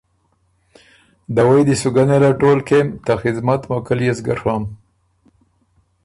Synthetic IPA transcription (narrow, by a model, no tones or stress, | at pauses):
d̪awajd̪isuɡanelaʈolkemt̪axɪd̪mat̪mokəljazɡaɾʂwam